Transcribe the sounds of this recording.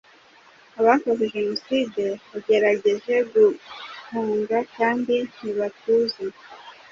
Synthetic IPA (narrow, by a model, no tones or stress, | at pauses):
aβakozeʒe̞no̞side̞βaɟe̞ɾaɟe̞ʒe̞ɡuhuːŋɡakaːndin̥iβatuze